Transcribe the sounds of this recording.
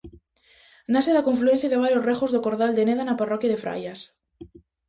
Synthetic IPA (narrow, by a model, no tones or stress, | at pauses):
naseðakoɱfluenθjaðeβalorexozðokoɾðald̪eneðanaparokjaðefɾa̰jas